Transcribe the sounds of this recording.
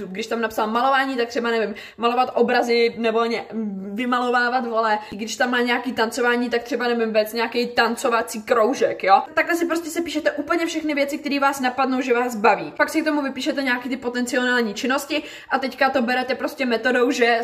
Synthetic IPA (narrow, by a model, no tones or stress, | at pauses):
t̪upɡdɪʃt̪amnapsalmalo̞vaːɲiːt̪ak̚t̪r̝ɛbanɛvɪm | malo̞vat̪ʔobɾazɪnɛvolɲɛvɪmalo̞vaːvat̪ɦo̞lɛɡdɪʃt̪amːaːɲɛjakiːt̪ant͡so̞vaːɲiːt̪akt̪r̥ɛbanɛvɪmvɛt͡sɲɛakɛjt̪ant͡so̞vat͡siːkɾowʒɛkjot̪aklɛsɪpɾoscɛsɛpiːʃɛt̪ɛʔuːpl̩ɲɛfʃɛxnɪvjɛt͡sɪkt̪ɛɾiːvaːsnapadno̞wʒɛvaːsbaviːpaksɪkt̪o̞muvɪpiːʃɛt̪ɛɲɛakiːt̪ɪpo̞t̪ɛnt͡sɪo̞naːlɲiːt͡ʃɪno̞scɪ | ʔat̪ɛckat̪o̞bɛɾɛt̪ɛpɾo̞scʲɛmɛt̪o̞do̞wʒɛ